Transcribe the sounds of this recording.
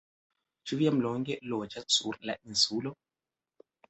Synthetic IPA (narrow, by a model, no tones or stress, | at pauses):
t͡ʃuvjamlɔŋɡɛlɔt͡ʃat͡surla̰ʔin̩sulɔ